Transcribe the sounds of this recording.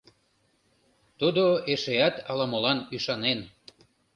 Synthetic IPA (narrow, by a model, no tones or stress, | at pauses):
t̪ud̪oeʃeɑt̪ɑlɑmolɑnyʃɑnen